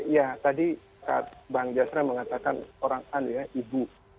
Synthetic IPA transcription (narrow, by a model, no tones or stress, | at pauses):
ijat̪adi | ka̰a̰t̪̚baŋd͡ʒasɾaməŋat̪akanoɾaŋanujaʔibu